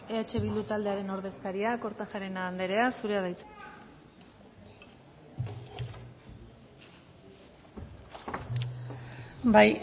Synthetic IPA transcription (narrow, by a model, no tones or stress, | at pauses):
eat͡ʃe̞β̞ild̪ut̪ald̪e̞aɾe̞no̞ɾðe̞skaɾiako̞ɾt̪axaɾenaːnd̪e̞ɾe̞asuɾe̞aðajt̪u̥ | baj